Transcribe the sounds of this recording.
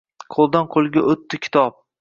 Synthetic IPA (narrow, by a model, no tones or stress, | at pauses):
qʰolˠd̪anqʰolˠɡʲaʔɵt̪ʰːakʲʰɪ̥t̪ʰɒp̚